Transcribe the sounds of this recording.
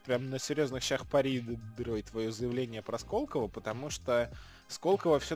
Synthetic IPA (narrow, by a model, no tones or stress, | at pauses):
pɾʲamnəsʲɪɾʲjo̞znɨxɕaxpɐɾʲid̪ɾojt̪vɐjozəjɪvlʲenʲɪjəpɾɐsko̞lˠkəvəpət̪ɐmuʂt̪o | skolˠkəvəfsʲo